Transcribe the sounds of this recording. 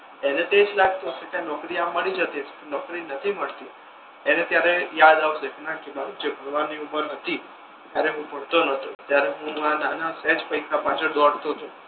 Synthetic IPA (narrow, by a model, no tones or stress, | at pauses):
enet̪ed͡ʒlaɡ̚t̪oket̪jãnɔkɾiamːəɭid͡ʒət̪ipənɔkɾinət̪ʰiməɭt̪i | enet̪jaɾejad̪aʋʃeknãkinad͡ʒebʱəɾʋanːiuməɾɦət̪ʰi | t̪jaɾeɦũpəɽt̪onət̪ot̪jaɾeɦũmananasɛ̃d͡ʒpəikʰapãt͡ʃʰəd̪ɔɽt̪ot͡ʃʰu